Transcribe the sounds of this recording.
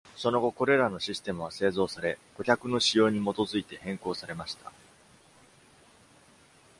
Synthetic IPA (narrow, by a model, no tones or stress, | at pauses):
so̞no̞ɡo̞ko̞ɾe̞ɾano̞ɕisɨ̥t̪e̞mɯ̟βase̞ːzo̞ːsaɾe̞̥ | o̞çʲakɯ̟no̞ɕijo̞ːɲ̟imo̞t̪o̞zɨit̪e̞hẽ̞ŋko̞ːsaɾe̞maɕi̥t̪a